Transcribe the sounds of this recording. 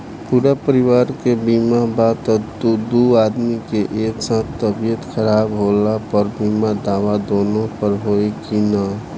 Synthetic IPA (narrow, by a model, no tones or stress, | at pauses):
puːɾapəɾɪwaːɾkebiːmabat̪ət̪ud̪uaːd̪mikeʔeːksãːt̪ʰt̪əbijət̪xʰəɾaːbɦoːlapəɾbiːmad̪aːʋad̪oːnõpəɾɦoekina